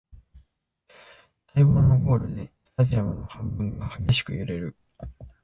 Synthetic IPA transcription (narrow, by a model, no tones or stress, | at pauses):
t̪ʰaiboːnːo̞ɡo̞ːɾɯ̟d̪est̪ad͡ʑiamɯ̟no̞hãmbɯ̟̃ŋɡahaɡe̞ɕi̥kɯ̟̰jɯɾe̞ɾɯ̟